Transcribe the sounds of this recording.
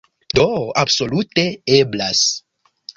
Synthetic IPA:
doabso̞lute̞eblas

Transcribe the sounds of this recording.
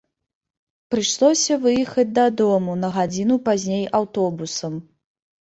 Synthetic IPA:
pɾɨʂlˠɔsʲɐvɨjixɐd͡z̚ʲd̪ɐd̪ɔmunɐɣad͡zʲinupazʲnʲejʔawt̪ɔbusɐm

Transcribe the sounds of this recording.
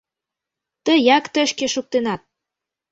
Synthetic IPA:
t̪əjɑkt̪ə̆ʃkeʃuk̚t̪enɑt̪̚

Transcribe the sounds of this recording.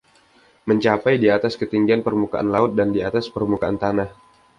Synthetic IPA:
məɲt͡ʃapajdiat̪askət̪iŋɡianpərmuka̰ʔanlaʊt̪̚dandiat̪aspərmukaant̪anah

